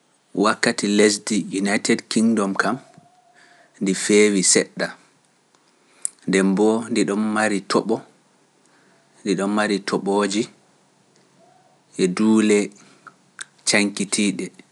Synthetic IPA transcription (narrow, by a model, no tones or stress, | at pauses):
wakːatiles̬dijunajtɛdkiŋdɔmkam | ndifewisɛɗːa | ndɛmbɔndiɗɔnːaɾitɔɓɔ | ndiɗɔnːaɾitʰɔɓoːd͡ʒi | ʔɛduːlɛ | t͡ʃaŋkitʰiːɗɛ